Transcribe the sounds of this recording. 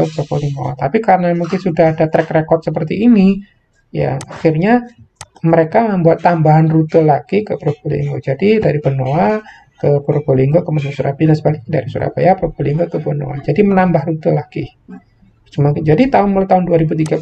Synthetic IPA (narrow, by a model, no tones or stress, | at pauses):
sokoliŋɡo̰a̰t̪apikaɾənamuŋkɪnsudahadat̪ɾɛkrekɔrt̪̚səpərt̪iːni | ja̰axirɲa | məɾekaməmbuat̪ːambaɦanrut̪əlakikəpɾokolḭḭŋɡod͡ʒadidaɾipənoa | kəpɾokoliŋɡokəmənosuɾa̰pidansəbalɪk̚ɲada̰ɾisṵɾa̰pa̰japɾoɡoliŋɡokəpəno̰a̰d͡ʒadimənambahɾut̪əlakḭ | t͡ʃumakd͡ʒadit̪aʊnmolt̪aʊnduaɾibut̪iɡa